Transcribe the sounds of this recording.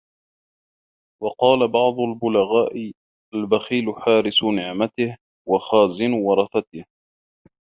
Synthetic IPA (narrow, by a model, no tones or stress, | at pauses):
wɑqɑːlabɑʕd̪ˤʊlbʊlaɣaːʔɪ | ʔalbaxiːlʊħaːɾɪsnɪʕmat̪ɪh | wɑxaːzɪnwɑɾˤɑθat̪ɪh